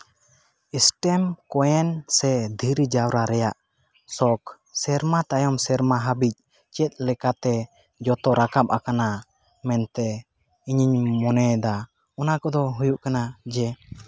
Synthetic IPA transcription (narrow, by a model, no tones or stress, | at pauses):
isʈɛmkɔjɛnsɛd̪ʱiɾid͡ʒawɾaɾɛjaʔ | sɔk | sɛɾmat̪ajɔmsɛɾmaɦabic̚ | t͡ʃɛt̪̚ˀlɛkat̪ɛ | d͡ʒɔt̪ɔɾakap̚akana | mɛnt̪ɛ | iɲiɲmɔnɛd̪a | ɔnakɔd̪ɔɦujuʔkanad͡ʒɛ